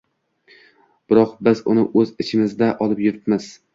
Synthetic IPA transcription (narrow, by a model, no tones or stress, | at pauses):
b̥ɪɾɒqbɪzʊnɪʔɵzɪt͡ʃʰɪmɪzd̪aʔɒlˠɪpjʊɾɪt̪mɪz̥